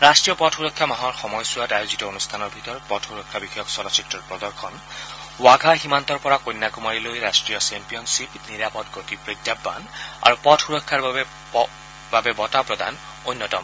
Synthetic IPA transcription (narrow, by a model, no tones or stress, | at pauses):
ɹastɹijɔpɔtʰxuɹɔkʰːamaɦɔɹxɔmɔjsuwadajuzitɔonustʰanɔɹbʱitɔɹɔt̚pɔtʰxuɹɔkʰːabixɔjɔksɔdasiktɔɹpɹɔd̪ɔɹkʰɔn | waɡʱaximant̪ɔɹpɔɹakojnːakumaɹilojɹastɹijɔsɛmpijɔnsipniɹapɔtɡotipɹidjabːa̰na̰ɹupɔtʰxuɹɔkʰːaɹbaɛ | babɛbɔtapɹɔda̰n | ojnːɔtɔm